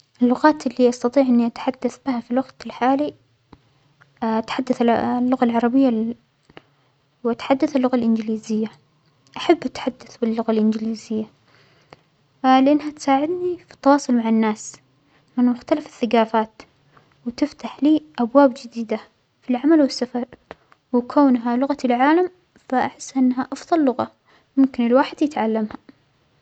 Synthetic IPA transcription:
ʔɪlːʊɣaːt̪ʔɪlːiʔɑst̪ɑt̪ˤiːʕʔɪnːiʔat̪ħad̪ːaθbɪhafilwaɡt̪ɪlħaːli | ʔat̪ħad̪ːaθlːʊɣalʕɑɾˤɑbɪjːa | wʔat̪ħad̪ːaθalːʊɣalʔɪnd͡ʒɪliːzɪjːa | ʔaħabːʔat̪ħad̪ːaθbɪlːʊɣalʔɪnd͡ʒɪliːzɪjːa | lɪʔanːhat̪saːʕɪd̪nifi̥t̪ːɑwɑːsˤʊlmaʕanːaːs | mɪnmʊxt̪alafɪ̥θːaɡaːfaːt̪ | wt̪ɪft̪aħliːʔabwaːbd͡ʒɪd̪iːd̪a | filʕamalwɪsːafɑɾˤ | wɪkoːnɦalʊɣat̪ilʕaːlam | faʔaħɪsːʔɪnːɦaʔɑfðˤɑlːʊɣa | mʊmkɪnɪlwaːħɪd̪jɪt̪ʕalːamha

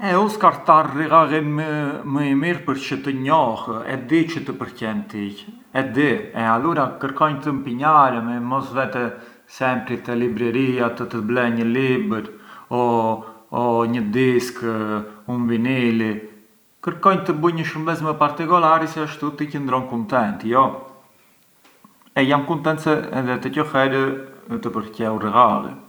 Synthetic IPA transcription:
ɛuskaɾt̪aɾːiɣaɣiməməimiɾpəɾt͡ʃət̪əɲɔhɛ̰d̪it͡ʃət̪əpəɾcɛnt̪ic | ɛd̪iɛaluɾakəɾkɔɲt̪əmpiɲaɾəmɛmɔsvɛt̪ɛ | sɛmpɾit̪ɛlibɾɛɾiat̪ət̪əblɛɲəlibəɾɔ | ɔɲəd̪isk | unvinili | kəɾkɔjɲt̪əbujɲəʃumbɛt͡smɛpaɾt̪ikɔlaɾisɛəʃt̪ut̪icənd̪ɾɔnkunt̪ɛnt̪jɔ | ɛjamkunt̪ɛnt̪sɛɛ̰ðɛt̪əcəfɛɾət̪əpəɾcɛurɛɣalḭ

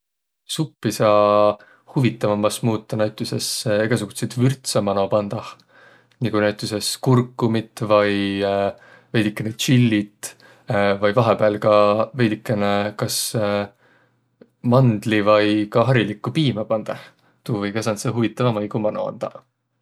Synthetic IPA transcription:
supːisɑ | huvit̪ːˑɑvɑmːɑsmuːt̪ːˑɑnæɥt̪ʲːˑuse̞seɡ̥ɑs̬uɡ̥ut̪sejt̪vyrt̪sɑmɑno̞pɑnd̪̥ɑ | nikujnæɥt̪ʲːˑuse̞skurkːumit̪ːˑvɑj | vejd̪̥ikːˑenet͡ʃilːit̪ | vɑjvɑɦepeːlkɑvejd̪ikːˑenekɑs | mɑnd̪̥livɑjkɑɦɑɾilikːˑupiːmɑpɑnd̪̥ɑh | t̪uːvɤjkɑsɑnt̪seɦuvit̪ːˑɑvɑmɑjɡumɑno̰ɑ̰nd̪̥ɑ

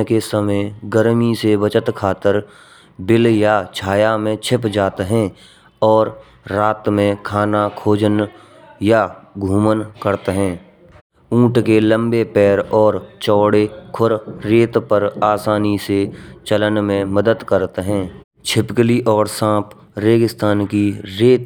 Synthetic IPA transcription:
kesəməjɡəɾmiseʋət͡ʃət̪kʰaːt̪əɾ | bɪljat͡ʃʰaːjamẽt͡ʃʰɪpd͡ʒaːt̪ɦɛ̃ | ɔːɾː | aːt̪mẽkʰaːnakʰoːd͡ʒən | jaɡʱuːmənkəɾt̪ɦɛ̃ː | ũːʈkelə̃mbepɛːɾɔːɾt͡ʃɔːɽekʰʊɾːeːt̪pəɾaːsaːniset͡ʃələnmẽməd̪əd̪kəɾt̪ɦɛ̃ː | t͡ʃʰɪpkliʔɔːɾsãːp | ɾeːɡɪst̪aːnkiɾeːt̪

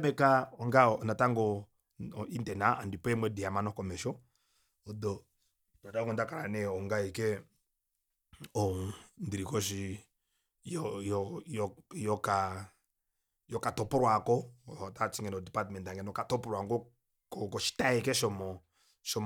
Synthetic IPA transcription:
bɛkaɔŋɡanataŋɡɔ | intɛnaandipɛmwɛdiamanɔkɔmɛʃɔ | ɔdɔ | dadaŋɡɔndakaɾanɛɔŋɡaɛkɛ | ɔndiɾikɔʃi | jɔjɔjɔjɔka | jɔkatɔpɔɾwakɔɔtat͡ʃiŋɡɛnɔdipatmɛntaŋɡɛnɔkatɔpɔɾwaŋɡɔ | kɔkɔʃi̥taɛkɛʃɔmɔ | ʃɔm

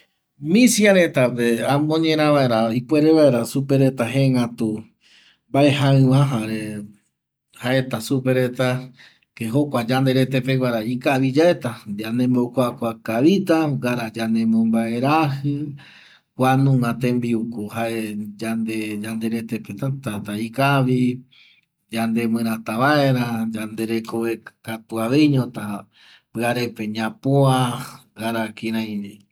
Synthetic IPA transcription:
mĩsjaɾet̪apeamõɲẽɾ̃ãβaeɾaipweɾeβae̞ɾasupe̞ɾet̪aɦeŋat̪u | baehaɨ̃ʋãɦaɾe | haʔe̞t̪asupeɾet̪a | keɦokʷad͡ʒand̪eɾet̪epeɡʷaɾaikaβid͡ʒaet̪ad͡ʒanẽmbokʷakʷakaβit̪aɡaɾad͡ʒanẽmõmbae̞ɾahɨ | kʷanũmãt̪ẽ̞mbiukuhaʔed͡ʒand̪ed͡ʒand̪eɾet̪epet̪at̪at̪aikaβi | d͡ʒand̪e̞mɨ̃ɾ̃ãt̪aβaeɾad͡ʒand̪e̞ɾe̞koβekat̪uaβeɲõt̪a | pɨaɾepe̞ɲãpoaɡaɾakĩɾãj̃d͡ʒi

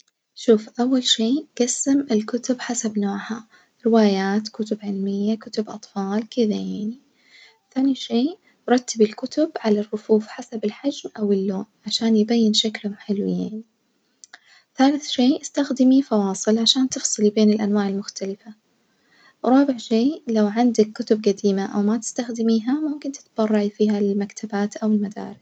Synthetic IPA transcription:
ʃuːfʔawːalʃeːɡ̥asːɪmɪlkʊt̪ʊbħasabnoːʕha | ɾɪwaːjaːt̪kʊt̪ʊbʕɪlmɪjːakʊt̪ʊbʔɑt̪ˤfɑːlkɪðajaʕni | θaːniʃeː | ɾˤɑt̪ːɪbɪlkʊt̪ʊbʕalarˤːʊfuːfħasabɪlħad͡ʒmʔawɪlːoːnʕaʃaːnjbajːɪnʃaklhʊmħɪlwɪ̰jːa̰ːn | θaːlɪθʃeːʔɪst̪axd̪ɪmifɑwɑːsˤɨlʕaʃaːnt̪ɨfsˤɨlibeːnɪlʔanwaːʕɪlmʊxt̪alɪfa | ɾˤɑːbɪʕʃeːlawʕɪnd̪akːʊt̪ʊbɡad̪iːmaʔawmat̪ɪ̥st̪axd̪ɪmiːɦamʊmkɪnt̪ɪ̥t̪b̥ɑrˤːɑʕifiːhalmakt̪ʰabaːt̪ʔawɪlmad̪a̰ːɾɪs

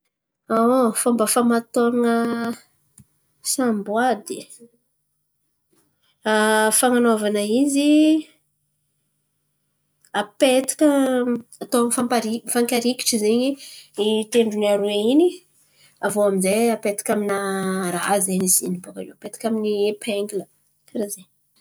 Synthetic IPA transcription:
aofambəfamat̪oŋə | sambwad̪i | afaŋanovanəizi | apet̪i̥kəat̪oaŋəfampaɾifaŋkaɾiki̥ʈ͡ʂəzeɲiit̪eɳɖ͡ʐuniaɾweini | avoaminzeapet̪ḁkʲaminaɾa̰zeniziniboka̰leapet̪ḁkʲaminipʰeŋɡilə | aɾazeɲ

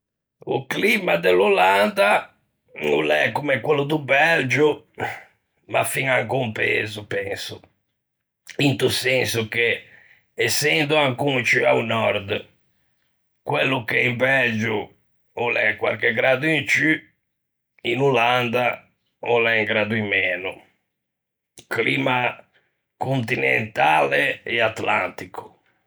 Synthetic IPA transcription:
uklimad̪eluland̪a | ṵlɛ̰kumɛkwɛlːud̪ubɛld͡ʒu | ma̰fiŋaŋkumpḛːzupɛnsu | int̪usensuke | ɛsːɛnd̪uaŋkunt͡ʃyaunɔɾd̪ | kwelːukeimpɛd͡ʒu | ɔlɛkwa̰ɾkeɡɾaːd̪uint͡ʃy | inuland̪a | ɔlɛiŋɡɾaːd̪uimːɛːnu | kliːma | kont̪inɛ̰nt̪aːleɛat̪la̰nt̪ikʰu̥

